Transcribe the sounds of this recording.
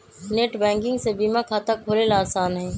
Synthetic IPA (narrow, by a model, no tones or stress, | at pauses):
neːʈbɛ̃ːŋkɪ̃ŋɡseːbiːmãːkʰaːt̪aːkʰoːleːlaːsaːnɦeː